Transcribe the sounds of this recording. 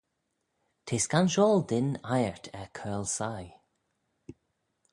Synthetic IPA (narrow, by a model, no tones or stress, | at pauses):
t̪ʰeːskanʃɔːld̪ɪnajəɹt̪ʰɛkʰɜːlsaj